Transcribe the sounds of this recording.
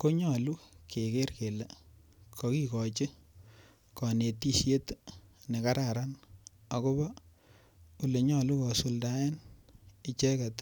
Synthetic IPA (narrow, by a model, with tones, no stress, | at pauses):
ko˦ɲɔ˨lu˦kʰe˨ke˦rke˨le˨ | kʰɔ˨ki˦kɔ˨t͡ʃɪ˦ | kɔ˨ne˨ti˦ʃje˦tne˨ka˦ɾa˨ɾa˦n | a˨ko˦ba˦ | u˨le˨ɲɔ˦lu˦kɔ˨su˨lda˦ɛ˦nɪ˦t͡ʃɛ˦kɛ˨t